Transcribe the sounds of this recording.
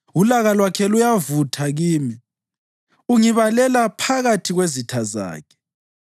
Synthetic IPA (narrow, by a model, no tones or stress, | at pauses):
ulaɣalwakʰɛlujavutʰaɣiːmi | uŋiβalɛlapʰaɣatʰiɣwezitʰaza̰ːkʰɛ̥